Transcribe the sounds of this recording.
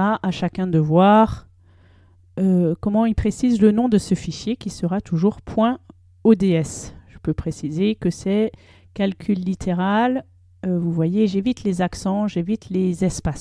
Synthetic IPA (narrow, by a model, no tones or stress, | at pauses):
aʔaʃakʲɛ̃d̪əvwaʁ | økɔmɑ̃ilpχesizlənɔ̃d̪əsəfiʃjekʲisəʁat̪ʰuʒuʁpʰwɛ̃ | od̪eɛsʒ̥əpøpχesizekəsɛ | kalkʲʰylːit̪ʰeʁal | øvuvwajeʒevit̪lezaksɑ̃ʒevit̪lezɛspas